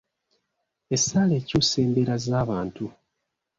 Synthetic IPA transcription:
e̞saːle̞ːcuːse̞ːmbeɾazaːβaːntu

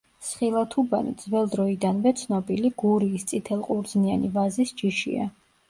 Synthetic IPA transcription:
sχilˠat̪ʰuba̰nḭd̪zvɛlˠd̪ɾɔid̪anvɛt̪sʰnɔbiliɡuɾiːst̪sʼit̪ʰɛlˠqʼuɾd̪znianivazisd͡ʒiʃḭa̰

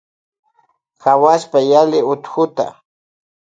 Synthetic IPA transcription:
kawaspajalɪʊt̪xʊt̪a̰

